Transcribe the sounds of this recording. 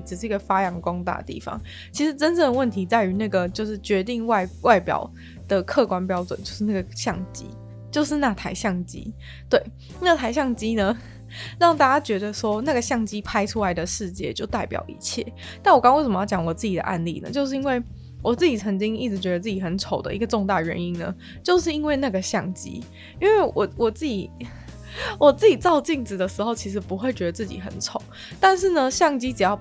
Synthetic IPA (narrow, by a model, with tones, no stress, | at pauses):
ʈ͡ʂɻ̩˨˩ʂɻ̩˥˩˧i˧˥ɡə˨fa˥jɑ˧˥ŋkwɑ˥ŋt̪a̰˥˩t̪ḭ˥˩fɑ̰˨˦ŋ | t͡ɕʰi˧˥ʂɻ̩˧˥ʈ͡ʂə˦nt͡sə˥˩d̪ə˩wə˥˩nt̪ʰi˧˥t͡sa˥˩ɪy˧˥na˥˩ɡə˩t͡ɕjo˥˧ʊʂɻ̩˥˩t͡ɕɥɛ˧˥t̪i˥˧ŋwa˥˩ɪwa˥˩ɪpjɑ̰˨˩ʊ | d̪̥ə˩kʰɤ˥˩kwa˥npjɑ˥ʊʈ͡ʂwə̰˨˩nt͡ɕo˥˧ʊʂɻ̩˥˧na˥˩ɡə˩ɕjɑ˥˩ŋt͡ɕḭ˥ | t͡ɕjo˥˧ʊʂɻ̩˥˧na˥˩t̪ʰa˧˥ɪɕjɑ˥˩ŋt͡ɕḭ˥ | t̪we˥˩ɪ | na˥˩t̪ʰa˧ɪɕ̬jɑ˥˩ŋt͡ɕi˥nə˧ | ɻɑ˥˧ŋt̪a˥˩t͡ɕja˥t͡ɕɥɛ˧˥d̪ə˧ʂwɔ˥na˥˩ɡə˩ɕjɑ˥˩ŋt͡ɕi˥pʰa˥ɪʈ͡ʂʰu˥la˨˦ɪd̪ə˨ʂɻ̩˥˧t͡ɕjɛ̰˥˨t͡ɕjo˥˧ʊt̪a˥˩ɪpjɑ̰˨˩ʊḭ˥˩t͡ɕʰjɛ̰˥˩ | na˥˩nwɔ˨˩kɑ˥ŋwe˥˩ʂə˨˩mə˦jɑ˥˩t͡ɕjɑ˨˩˦ŋwɔ˨˩t͡sɹ̩˥˩t͡ɕi˨˩ə̰˩ʔa̰˥˧nlḭ˥˩nə̰˩t͡ɕjo˥˧ʊʂ̬̩˥˩i˥nwe˥˩ɪ | wɔ˨˩t͡s̩˥˩t͡ɕi˨˩t͡sʰə˧˥ŋt͡ɕi˥ŋi˥˩ʈ͡ʂɻ̩˧˩t͡ɕɥɛ˧˥d̪ə˧t͡sɹ̩˥˩t͡ɕi˨˩xə˧˦nt͡sʰo˨˩ʊd̪ə̰˦ʔi˧˥ɡə˧ʈ͡ʂo˥˧ŋt̪a˥˩ə˩ɥɛ̰˧˦ni˦˥nnə̰˧ | t͡ɕjo˥˧ʊʂɻ̩˥˩i˥nwe˥˧ɪna˥˩ɡə˩ɕjɑ˥˩ŋt͡ɕḭ˥ | i˥nwe˥˩ɪwʔɔ˨˩wɔ˨˩t͡s̩˥˩t͡ɕi˨˩˦ | wɔ˨˩t͡s̩˥˩t͡ɕi˨˩t͡sɑ˥˧ʊt͡ɕi˥˩ŋt͡sɻ̩˨˩d̪ə˩ʂɻ̩˧˥xo˥˧ʊt͡ɕʰi˧˥ʂ̬ɻ̩˧˥pu˧˥xwe˥˩ɪt͡ɕɥɛ˧˥d̪ə˧t͡sɹ̩˥˩t͡ɕḭ˨˩xə̰˨˩nʈ͡ʂʰo˨˦ | t̪a˥˧nʂ̬ɻ̩˥˩nə˩ɕjɑ˥˩ŋt͡ɕi˥ʈ͡ʂɻ̩˨˩jɑ˥˩ʊ